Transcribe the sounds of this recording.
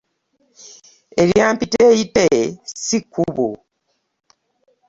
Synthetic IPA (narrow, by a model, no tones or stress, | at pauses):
eljaːmpitejitesikːuβu